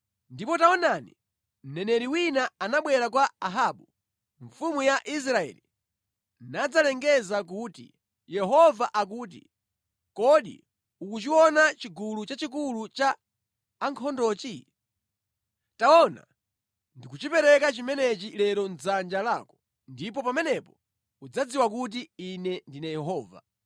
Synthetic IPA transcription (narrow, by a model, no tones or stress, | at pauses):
ndipɔtaɔnanḭ | m̩nɛnɛɾiwinaanaɓwɛɾak̬waaɦaːɓu | ɱfumujaʔis̬ɾaɛ̰li | nad͡zalɛŋɡɛzak̬uːtḭ | jɛɦɔvaʔak̬uːt̬ḭ | kɔɗḭ | ukut͡ʃiwɔnat͡ʃiɡulut͡ʃat͡ʃikulut͡ʃaː | ŋkʰɔndɔːt͡ʃi | taɔna̰ | ndikut͡ʃipɛɾɛkat͡ʃimɛnɛt͡ʃilɛɾɔnd͡zand͡ʒalaːkɔ̥ | ndip̬ɔpamɛnɛpɔ | ud͡zad͡ziwak̬ut̬iinɛndinajɛɦɔːva̰